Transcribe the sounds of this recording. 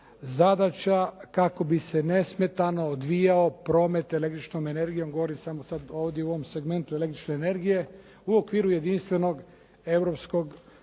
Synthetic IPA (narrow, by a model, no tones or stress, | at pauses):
zad̪at͡ʃakako̞bisene̞sme̞t̪ano̞ːd̪ʋijaopɾo̞ːme̞t̪ele̞k̚t̪ɾit͡ʃnome̞ne̞ɾɡijo̞mɡo̞ʋoɾimsamosad̪oːʋd̪jeuoʋomse̞ɡme̞nt̪uele̞k̚t̪ɾit͡ʃneːne̞ɾɡije̞ | uokʋiːɾuje̞d̪inst̪ʋe̞no̞ɡ | e̞vɾo̞psko̞ɡ